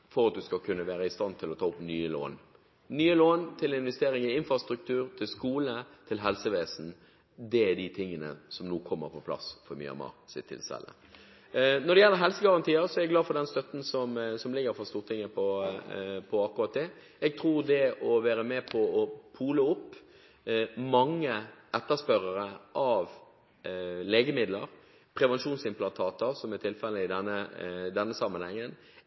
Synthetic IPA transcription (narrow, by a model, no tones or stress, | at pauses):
fɔɾɑt̪̚d̪ʉskɑkʰʉnːəʋæːɾəɪst̪ɑnt̪ʰɪlɔt̪ʰɑːʊpnyːəlo̰ːn | nyːəloːnt̪ʰɪlɪnʋɛst̪eːɾɪŋɪɪnfɾɑst̪ɾʉk̚t̪ʰʉːɾt̪ʰɪlskuːlət̪ʰɪlɦɛlsəʋeːsn̩ | d̪ɛɛɖ̪it̪ʰɪŋːənə̰sɔmnuːkʰɔmːə̰ɾpʰɔpʰlɑ̰sfɔɾmy̰ːəɑ̰mɑ̰sɪ̰t̪ʰːɪ̰lsɛ̰lːə̰ | nɔɾɖ̪ɛjɛlːəɾɦɛlsəɡɑʁɑnt̪ʰiːəɾsɔɛɾɛɡlɑːfɔɖ̪ɛnst̪œt̪n̩sɔmsɔmlɪɡəɾfɔst̪uːɾt̪ʰɪŋːəpʰɔ | pʰɔɑkːʊɾɑt̪̚d̪ɛ | ɛɡ̚t̪ʰɾuːɾd̪ɛɔʋæːɾəmɛpʰɔɔpʰuːləʊpː | mɑŋːəʔɛt̪ːəspœɾəɾəʔɑʋ | lɛːɡəmɪd̪lə̰ɾ | pʰɾɛʋɛnʃuːnsɪmpʰlɑnt̪ʰɑːt̪əɾsɔmæt̪ʰɪlfɛləɪd̪ɛnːəd̪ɛnːəsɑmːənhɛŋːən